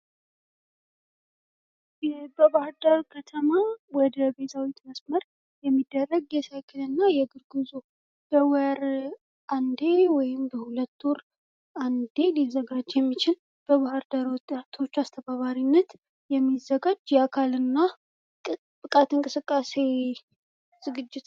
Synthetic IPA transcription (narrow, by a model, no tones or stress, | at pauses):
bəβahɨɾd̪əɾkʰət̪ʰəmawɔd̪əbe̞t̪ʰawit̪məsməɾ | jɛmːid̪ːərːəɡjɛsajkʰɨlɨnːajɛɡɨɾɡɨzu | b̥əwəɾ | ʔand̪e̞wɔjɪmbəhulət̪ːoɾ | and̪e̞lizəɡad͡ʒjɛmːit͡ʃɪl | b̥əβahɾd̪aɾwɔt̪ʼːat̪ʰo̞t͡ʃːast̪ʰəβaβaɾinːət̪ | jɛmːizːəɡad͡ʒjɛakʰalɨnːa | bɨkʼat̪ɨŋkʼɨsɨkʼːase̞ | z̥ɨɡɨd͡ʒːɪt̪